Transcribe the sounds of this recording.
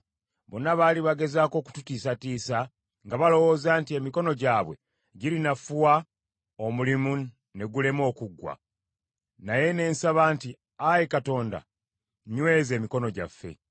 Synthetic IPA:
bonaβaliβaɡe̞zaːko̞ːku̥tutiːsatiːsa | ŋɡaβalo̞wo̞ːzaːntiemiko̞no̞ɟaːβwe̞̰ | ɟilinafuwa | o̞mulimu | ne̞ɡule̞mo̞ːkuɡːwa̰ | naje̞ne̞ːnsaβaːnti | ajekato̞ːnda̰ | ɲwe̞ze̞ːmiko̞no̞ɟa̰fːe̞̰

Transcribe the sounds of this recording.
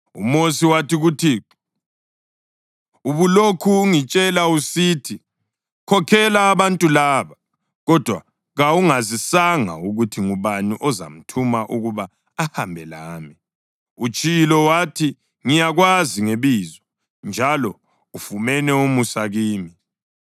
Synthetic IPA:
ṵmosiwatiɣutʰi | uβulokʰuːŋit͡ʃʼɛlausitʰi | kʰɔkʰɛlaːβantʼulaːβa | ɣɔd̥ʱwa̰ | ɣauŋazisaŋa̰uɣutʰiŋuβanuʔɔza̰m̩tʰumaʔuɣuβaː | hambʱɛlaːmi | ut͡ʃʼilɔwatʰi | ŋijaɣwaziŋeβiːzɔ | nd͡ʒʱalɔ | ufumɛnɛumusaɣiːmi

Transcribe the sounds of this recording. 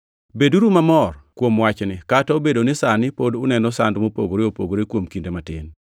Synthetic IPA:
beduɾumamɔrkwomwat͡ʃnɪkataobedonɪsanɪpodʊnɛnɔsandmopo̰ɡoɾeopo̰ɡoɾekwomkindematɪ̰n

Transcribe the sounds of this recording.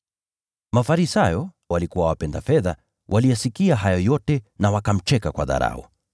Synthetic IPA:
mafaɾisajɔ | walikuwawapɛndafɛða | wʔalijasikiaɦajɔjɔtɛnawakam̩t͡ʃɛkakwa̰ða̰ɾa̰ɔ̰

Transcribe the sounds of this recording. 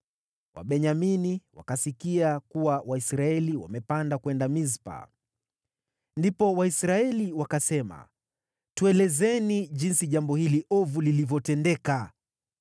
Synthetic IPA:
wʔa̰ɓɛɲaminiwa̰kasikiakuwawaisɾaɛliwa̰mɛpandakwɛndamizpa̰ | ndipɔwaisɾaɛliwakasɛma̰ | tuɛlɛzɛniʄinsiʄambɔhiliʔɔvulilivjɔtɛndɛka

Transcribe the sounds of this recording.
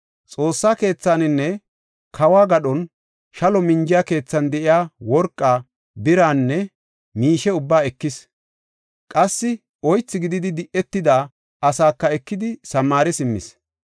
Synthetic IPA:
t͡sʼo̞ːsːaːke̞ːt͡sːaːnɪnːɛ | kʰɐwaːɡɐɗɔn | ʃɐlɔmɪɲd͡ʒɪjake̞ːt͡sːɐnd̪ɛʔɪjaːwɔɾkʼːaː | bɪɾaːnːɛ | miːʃɛʊbːaːɛkːɪs | kʼɐsːɪ | ɔjt͡sːɪɡɪd̪ɪd̪ɪd̪ɪʔɛt̪ːɪd̪aː | ʔɐsaːkːɐɛkːɪd̪ɪsɐmaːɾɛsɪmːɪ̰s

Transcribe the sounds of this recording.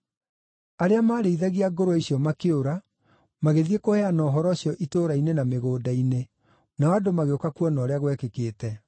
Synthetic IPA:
aɾeamaːɾeiðaɣiaɡoɾoaiɕiɔmakeoɾa | maɣeðiekohɛanɔːɦɔɾɔɕijɔʔitoːɾainenameɣoːdaine | naadomaɣeokakuɔnɔːɾeaɣwɛkekeːtɛ

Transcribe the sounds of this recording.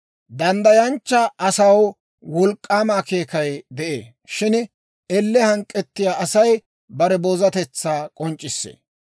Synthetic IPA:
d̪ɐnd̪ɐjɐnt͡ʃːɐʔɐsɐw | wɔlkʼːaːmaːke̞ːkɐjd̪ɛʔḛː | ʃɪn | ɛlːɛhɐŋkʼːɛt̪ːɪjaːʔɐsɐj | bɐɾɛboːzɐt̪ɛt͡sːaːkʼɔnt͡ʃʼːɪsːḛː

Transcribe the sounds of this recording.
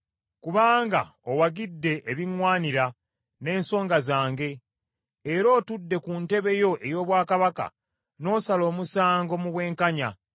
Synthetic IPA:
kuβaːŋɡa̰owaɡidːe̞ʔːβiŋwaːniɾa | ne̞ːnso̞ːŋɡazaːŋɡe̞ː | ɾoːtudːe̞kunte̞βe̞jo̞ʔe̞jo̞ːβwaːkaβaka̰ | no̞ːsalo̞ːmusaːŋɡo̞muβwe̞ːŋkaɲa

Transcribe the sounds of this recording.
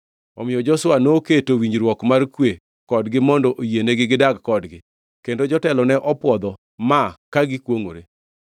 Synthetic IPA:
ɔmɪjɔd͡ʒɔswanoketowiɲd͡ʒɾwɔkmarkwe | kɔdɡɪmɔndɔʔojeneɡɪɡɪdaɡkɔdɡɪ | kendod͡ʒɔtɛlɔnɛʔɔpwɔd̪ɔ | makaɡɪkwoŋoɾe

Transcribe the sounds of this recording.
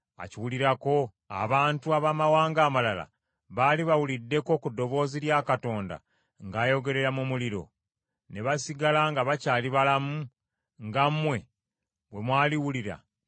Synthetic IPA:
a̰ciwuliɾako̞ | a̰βaːntuaβamawaːŋɡaːmalala̰ | βaːliβawulidːe̞ko̞kudːo̞βo̞ziɾjaːkato̞ːnda̰ | ŋɡaːjo̞ɡe̞ɾe̞ɾamumuliɾo̞̰ | ne̞βasiɡalaŋɡaβacaːliβalamu | ŋɡamːwe̞ | we̞mwaːliwuliɾa̰

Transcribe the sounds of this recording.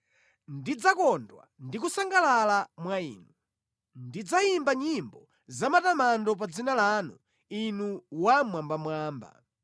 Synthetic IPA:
ndid͡zakɔndwa̰ndik̬usaŋɡalalamwaḭːnu | ndid͡zaimbaɲimbɔ | zamatamandɔp̬ad͡zinalanu | inuwamwambamwaːmba̰

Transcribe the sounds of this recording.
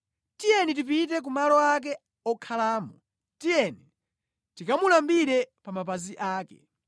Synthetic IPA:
tijɛnit̬ipit̬ɛk̬umalɔak̬ɛ | ɔkʰalaːmɔ | tijɛni | tikamulambiɾɛpamapaziʔaːkɛ̰

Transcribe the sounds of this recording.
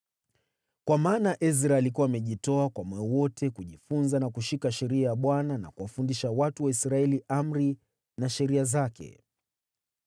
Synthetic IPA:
kwamaːnaʔɛzɾaːlikuwaːmɛʄitɔakwamwɛwɔtʰɛkuʄifunzanakuʃikaʃɛɾiajaɓwanana̰kuwafundiʃawatuwaisɾaɛliʔam̩ɾi | naʃɛɾiazakɛ̰

